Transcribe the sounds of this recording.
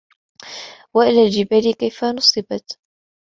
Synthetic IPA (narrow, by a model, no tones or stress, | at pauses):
waʔɪlaːld͡ʒɪbalɪkajfanʊsˤɨbɑt̪